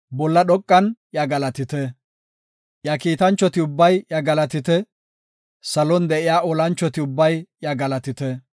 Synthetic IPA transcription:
bɔlːɐɗɔkʼːɐnjɐɡɐlɐt̪ɪt̪ɛ | jɐkiːt̪ɐnt͡ʃːɔt̪ɪʊbːɐjjɐɡɐlɐt̪ɪt̪ɛ | sɐlɔnd̪ɛʔɪjaːʔɔlɐnt͡ʃːɔt̪ɪʊbːɐjjɐɡɐlɐt̪ɪt̪ɛ

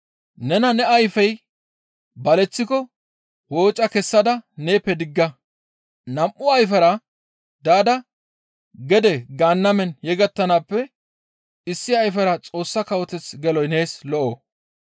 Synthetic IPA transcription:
nɛnɐnɛɐjfɐj | bɐlɛt͡sːɪkɔ | wo̞ːt͡ʃʼɐkɛsːɐd̪ɐne̞ːpːɛd̪ɪɡːɐ | nɐmʔʊɐjfɐɾɐ | d̪aːd̪ɐ | ɡɛd̪ɛɡaːnːɐmɛnjɛɡɐt̪ːɐnaːpːɛ | ɪsːɪɐjfɐɾɐt͡sʼo̞ːsːɐkɐwɔt̪ɛt͡sɡɛlɔjne̞ːslɔʔoː

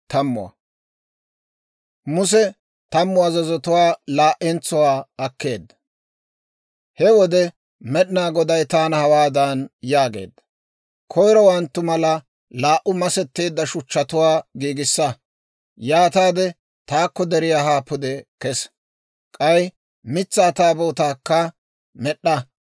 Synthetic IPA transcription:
t̪ɐmːʊ̰wɐ̰ | mʊs̬ɛ | t̪ɐmːʊɐzɐzɔt̪ʊwaːlaːʔɛnt͡sʊwaːɐkːe̞̰ːd̪ːɐ̥ | hɛwɔd̪ɛ | mɛɗɪnaːɡɔd̪ɐjt̪aːnɐhɐwaːd̪aːnjaːɡḛːd̪ːɐ | kʰɔjɾɔwɐnt̪ːʊmɐlɐ | laːʔʊmɐsɛt̪ːeːd̪ːɐʃʊt͡ʃːɐt̪ʊwaːɡiːɡɪsːɐ | jaːt̪aːd̪ɛ | t̪aːkːɔd̪ɛɾɪjaɦaːpːʊd̪ɛkɛs | kʼɐj | mɪt͡sːaːt̪aːboːt̪aːkːɐ | mɛɗːɐ

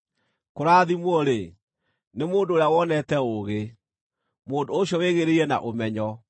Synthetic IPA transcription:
koɾaːðimwɔɾe | nemoːndoːɾjawɔnɛtɛoɣe | moːndoːɕjɔweɣeɾeiɛna̰ʔomɛɲɔ

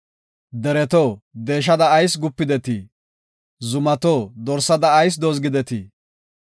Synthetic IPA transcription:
d̪ɛɾɛt̪oːd̪e̞ːʃ̬ɐd̪ɐːjsɡʊpːɪd̪ɛt̪i | zʊmɐt̪oːd̪ɔɾsːɐd̪ɐːjs̬d̪oːzɡɪd̪ɛt̪i

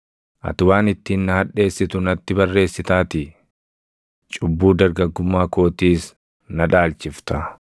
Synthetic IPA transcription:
ʔɐ̰t̪ʊwaːnɪt̪ːiːnːɐhɐᶑe̞ːsːɪt̪ʊnɐt̪ːɪbɐrːe̞ːsːɪt̪aːt̪ɪ | t͡ʃʼʊbːuːd̪ɐɾɡɐɡːʊmːaːko̞ːt̪iːs | nɐᶑaːlt͡ʃɪft̪ɐ

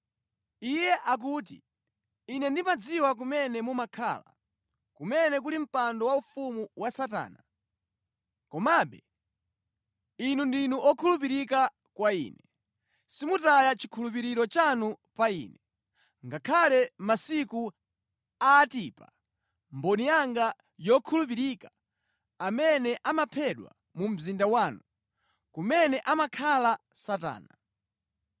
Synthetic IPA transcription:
ijɛʔak̬uːt̬ḭː | nɛndimad͡ziwak̬umɛnɛmumakʰa̰la̰ | kumɛnɛk̬ulim̩pandɔwaufumuwasata̰ːna | kɔmaːɓɛ | inundinuʔɔkʰulup̬iɾika | kwaḭːnɛ | simutajat͡ʃi̥kʰulup̬iɾiɾɔt͡ʃanupaḭːnɛ | ŋɡakʰalɛmasiku | aːtiːpa̰ | mbɔnijaŋɡa | jɔkʰulup̬iɾika | amɛnɛʔamapʰɛɗwa̰ | mum̩zindawaːnu | kumɛnɛʔamakʰalasata̰ːna

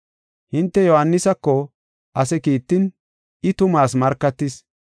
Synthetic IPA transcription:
hɪnt̪ːɛjɔhɐnːɪsɐkːɔ | ʔɐsɛkiːt̪ːɪn | ɪt̪ʊmaːsmɐɾkːɐt̪ːɪs

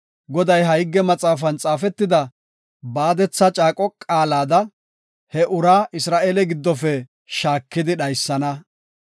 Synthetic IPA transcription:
ɡɔd̪ɐjɦɐjɪɡːɛmɐt͡sʼaːfɐnt͡sʼaːfɛt̪ːɪd̪ɐ | baːd̪ɛt͡sːɐt͡ʃʼaːkʼɔkʼaːlaːd̪ɐ | hɛʔʊɾaːʔɪsɾaːʔeːlɛɡɪd̪ːɔfɛ | ʃaːkːɪd̪ɪɗɐjsːɐnɐ

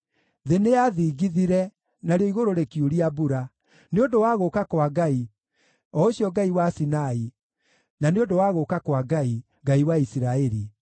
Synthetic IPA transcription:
ðeneaðiːɡiðiɾɛ | naɾeɔiɣoɾoɾekjuɾiabuɾa | neondowaɣokakwaɡai | ɔoɕiɔɡaiwasinai | naneondowaɣokakwaɡai | ɡaiwaisiɾaɛɾi

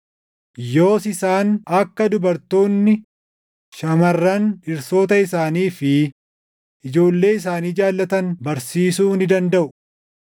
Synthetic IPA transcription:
jo̞ːsɪsaːnɐkːɐd̪ʊbɐɾt̪o̞ːnːɪ | ʃɐmɐrːɐnɪɾso̞ːt̪ɐɪsaːniːfɪ | ʔɪd͡ʒo̞ːlːe̞ːɪs̬aːniːd͡ʒaːlːɐt̪ɐnbɐɾsiːsuːnɪd̪ɐnd̪ɐʔʊ

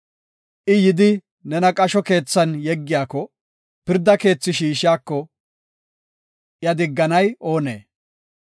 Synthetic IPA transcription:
ʔɪjɪd̪ɪ | nɛnɐkʼɐʃɔke̞ːt͡sːɐnjɛɡːɪjaːkːɔ | pɪɾd̪ːɐke̞ːt͡sːɪʃiːʃɪjaːkːɔ | jɐd̪ɪɡːɐnɐjo̞ːne̞̰ː

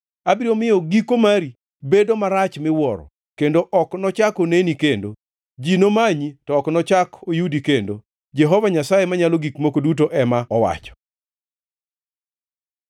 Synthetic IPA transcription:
abɾiomɪjoɡikomaɾi | bedomaɾat͡ʃmɪwɔɾɔ̰ | kendoʔɔknɔt͡ʃakonenikendo | d͡ʒinomaɲitɔːknɔt͡ʃakojudikendo̰ | d͡ʒɛɦɔvaɲasajemaɲaloɡikmokodut̬oʔɛmaɔwa̰t͡ʃɔ̥

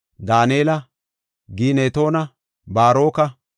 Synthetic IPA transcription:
d̪aːneːlɐ | ɡiːneːt̪o̞ːnɐ | baːɾo̞ːkɐ

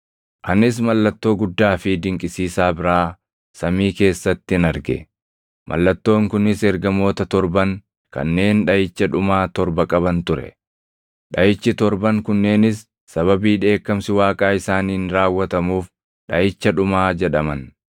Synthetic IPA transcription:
ʔɐnɪs̬mɐlːɐt̪ːo̞ːɡʊd̪ːaːfɪd̪ɪŋkʼɪsiːsaːbɪɾaː | sɐmiːke̞ːsːɐt̪ːɪɪnɐɾɡɛ̰ | mʔɐ̰lːɐt̪ːo̞ːŋkʊnɪsɛɾɡɐmo̞ːt̪ɐt̪ɔɾbɐŋ | kɐ̰nːe̞ːnᶑɐjɪt͡ʃːɐᶑʊmaːt̪ɔɾbɐkʼɐbɐnt̪ʊɾɛ̰ | ᶑɐjɪt͡ʃːɪt̪ɔɾbɐŋkʊnːe̞ːnɪsː | ɐβɐbiːᶑe̞ːkːɐmsɪwaːkʼaːɪsaːniːnɾaːwːɐt̪ɐmuːf | ᶑɐjɪt͡ʃːɐᶑʊmaːd͡ʒɛᶑɐmɐn

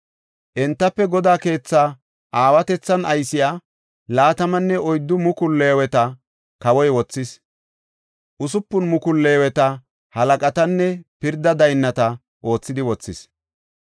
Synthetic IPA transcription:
ʔɛnt̪ːɐpːɛɡɔd̪aːke̞ːt͡sːaː | ʔaːwɐt̪ɛt͡sːɐnɐjsɪjaː | laːt̪ɐmɐnːɛɔjd̪ːʊmʊkʊlːeːwɛt̪ɐ | kɐwɔjwɔt͡sːɪs | ʔʊsʊpːʊnmʊkʊlːeːwɛt̪ɐ | hɐlɐkʼɐt̪ɐnːɛpɪɾd̪ːɐd̪ɐjnːɐt̪ɐ | ʔo̞ːt͡sːɪd̪ɪwɔt͡sːɪs

